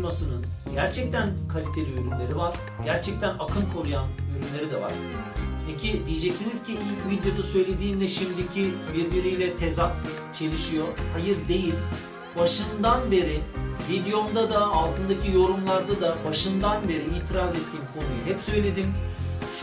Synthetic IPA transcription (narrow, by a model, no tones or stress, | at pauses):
masɯnɯnɟæɾt͡ʃʰɛc̚t̪ʰænkʰalʲit̪ʰe̞lʲiøɾymlʲeɾivaɾ̥ | ɟæɾt͡ʃʰɛc̚t̪ʰænakʰɯnkʰo̞ɾujanøɾymlʲe̞ɾid̪ɛva̰ɾ̥ | pʰecʰid̪ijed͡ʒɛcsiniz̥cʰiilʲcvid̪jo̞d̪asø̞jlʲe̞d̪iːnd̪ɛʃimd̪icʰibiɾbiɾijlʲɛt̪ʰezak | t͡ʃʰe̞lʲiʃijo̞hajɯɾd̪e̞jilʲ | baʃɯnd̪anbe̞ɾɪvid̪ijo̞nd̪ad̪aːlˠt̪ɯnd̪acʰijo̞ɾumlˠaɾd̪ad̪abaʃɯnd̪anbe̞ɾiiːt̪ʰiɾazɛt̪ʰːiːmkʰo̞nujuɦɛpsø̞jlʲe̞d̪imʃ